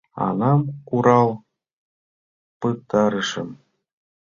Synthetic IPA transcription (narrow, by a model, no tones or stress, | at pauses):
ɑ̰nɑmkuɾɑlˠ | pɯt̪ɑɾɤʂɤ̆m